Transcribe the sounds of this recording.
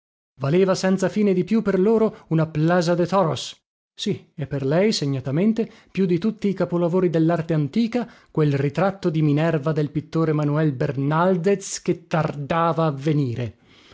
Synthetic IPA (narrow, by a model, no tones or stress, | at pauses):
valeːvasɛnt̪safiːned̪ipjupːerloːɾounaplaːzad̪et̪ɔɾos | siɛpːerlɛjseɲːat̪ament̪e | pjud̪it̪ut̪ːiːkapolavoːɾid̪elːart̪eant̪iːkakwelrit̪ɾat̪ːod̪iminɛrvad̪elpit̪ːoːɾemanuɛlbernald̪et̪sk̟et̪ːard̪aːvaːvːeniːɾe